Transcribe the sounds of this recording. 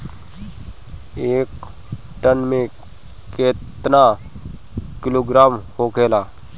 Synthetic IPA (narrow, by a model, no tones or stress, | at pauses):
eːk | ʈənmẽ | keːt̪na | kɪloːɡɾaːmhoːkʰeːlaː